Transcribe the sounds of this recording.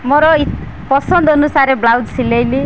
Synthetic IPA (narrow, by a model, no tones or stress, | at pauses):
mɔɾɔi | pɔsɔnd̪ːnusaɾeblawdsilejli